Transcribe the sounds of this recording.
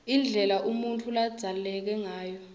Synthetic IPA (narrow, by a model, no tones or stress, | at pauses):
ind͡ɮʱɛlaʔumuntʰulḁz̥ʱalulɛk̬ɛŋaːjɔ